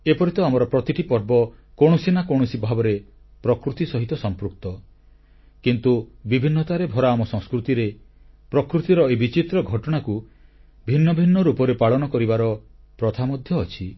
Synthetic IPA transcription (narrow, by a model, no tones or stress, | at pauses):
epɔɾit̪ɔamɔɾɔpɾɔt̪iʈipɔɾbɔkoɽ̃ɔsinakoɽ̃ɔsibʱabɔɾe | pɾɔkɾut̪isɔɦit̪ɔsɔmpɾuk̚t̪ɔ | kint̪ubibʱinːɔt̪aɾebʱɔɾaːmɔsɔ̃ŋskɾut̪iɾe | pɾɔkɾut̪iɾɔebit͡ʃit̪ɾɔɡʱɔʈɔɽ̃aku | bʱinːɔbʱinːɔɾupɔɾepaɭɔnɔkɔɾibaɾɔ | pɾɔt̪ʰamɔd̪ʱjɔːt͡ʃʰi